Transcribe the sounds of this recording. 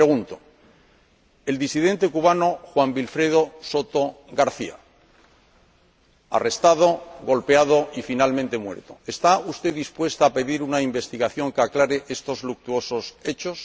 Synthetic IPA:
ɾeɣunt̪o̥ | e̞ld̪isiðe̞nt̪e̞kuβ̞ano̞xwambilfɾe̞ð̞o̞so̞t̪o̞ | ɣaɾθia̰ | a̰re̞st̪að̞o̞ɣo̞lpe̞að̞o̞ifinalmẽnt̪e̞mwe̞ɾt̪o̞e̞st̪aust̪e̞ððispwe̞st̪aːpe̞ðiɾunaimbe̞st̪iɣaθjo̞ŋkaklaɾeʔe̞st̪o̞zluk̚t̪uo̞so̞se̞t͡ʃo̞s

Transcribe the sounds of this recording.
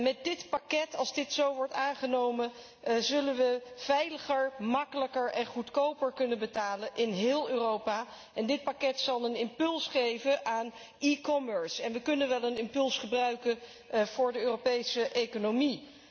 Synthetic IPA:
mɛt̚dɪtpakɛtɑlˠzdɪtsowʋɔɹtaːnχənowmən | zɵlənʋəv̥ɛjləχəɹmɑkələkəɹɛnχutkowpəɹkɵnənbətaːlənʔɪnɦɪːlˠøːrowpa | ʔɛndɪt̚pakɛtsɑlˠənɪmpɵlˠsχejvəʔaːn | ikɔməɹsɛnʋəkɵnənʋɛlˠənɪmpɵlˠsχəbrœɥkən | v̥ʊːɹdəøːropejsəʔejkonomi

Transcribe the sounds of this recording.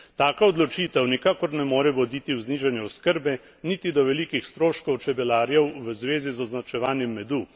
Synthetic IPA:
t̪aːkaɔd̪lɔt͡ʃiːt̪ɛwnikaːkɔɾnɛmoːɾɛʋɔd̪iːt̪iwzniːʒanjɛɔskəɾbɛ | nit̪id̪ɔʋɛliːkixst̪ɾoːʃkɔwt͡ʃɛbɛlaːɾjɛwʋəzʋeːzizɔznat͡ʃɛʋaːnjɛmːɛd̪u

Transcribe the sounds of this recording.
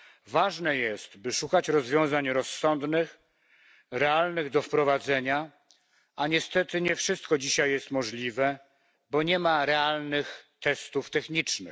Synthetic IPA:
vaʐnɛjɛst̪bɘʂukat͡ɕɾɔzvʲjɔ̃w̃zaɲɾɔsːɔnd̪nɘx | ɾɛalnɘɣd̪ɔfpɾɔvad̪zɛɲa | aɲɛst̪ɛt̪ɘɲɛfʂɘst̪̚kɔd͡ʑiɕajːɛst̪mɔʐlʲivɛ | bɔɲɛmaɾɛalnɘxt̪ɛst̪uft̪ɛxɲit͡ʂnɘ̰x

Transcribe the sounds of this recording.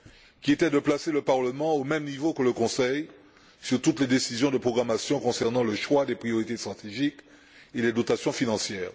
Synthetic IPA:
kʲiet̪ɛd̪əplaseləpaʁləmɑ̃omɛmnivokələkɔ̃sɛj | syʁt̪ut̪led̪esizjɔ̃d̪əpχɔɡʁamasjɔ̃kɔ̃sɛʁnɑ̃ləʃwad̪ɛpχijɔʁit̪est̪χat̪eʒik | elɛd̪ot̪asjɔ̃finɑ̃sjɛːʁ

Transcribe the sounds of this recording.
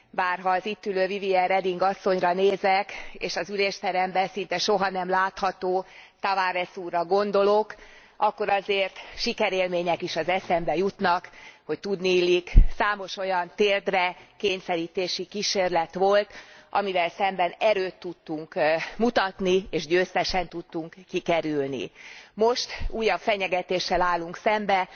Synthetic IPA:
baːrɦɒːzit̪ːyløːviviɛɾɛd̪iŋɡɒsːo̞ɲrɒneːzɛkeːʃɒzyleːʃt̪ɛɾɛmbɛsint̪ɛʃo̞ɦɒnɛmlaːt̪hɒt̪oːt̪avaːɾɛsuːrːɒɡo̞nd̪o̞lo̞k | ɒkːo̞ɾɒzeːrt̪ʃikɛɾeːlmeːɲɛkiʃɒzɛsɛmbɛjut̪nɒkho̞c̚t̪ud̪niilːiksaːmo̞ʃo̞jɒnt̪eːld̪rɛkeːɲsɛɾiːt̪eːʃikiʃeːrlɛt̪ʋo̞lt̪ʔɒmivɛlsɛmbɛnɛɾøːt̪ːut̪ːuŋkmut̪ɒt̪nieːʃɟøːst̪ɛʃɛnt̪ut̪ːuŋkːikɛɾylnḭmo̞ʃt̪uːjɒpfɛɲɛɡɛt̪eːʃːɛlaːlːuŋksɛmbɛ

